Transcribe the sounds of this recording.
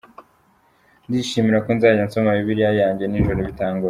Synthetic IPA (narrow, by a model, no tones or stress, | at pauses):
ndiʃimiɾakonzaːɟansomaβiβiɾijajaːɲɟe̞ninʒoɾoβitaːŋɡuɾa